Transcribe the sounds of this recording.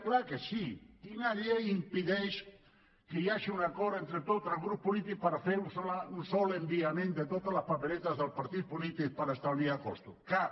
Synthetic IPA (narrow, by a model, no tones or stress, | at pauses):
klakesik̪inaʎeimpiðɛʃ | kejaʃiunakɔɾent̪ɾet̪ot̪alɣɾuppːulit̪ik̚paɾafeɾunsolaunsɔlembiamẽnd̪et̪ot̪alaspapelet̪azðelpaɾt̪it̪̚pulit̪ik̚paɾaest̪awniakost̪uka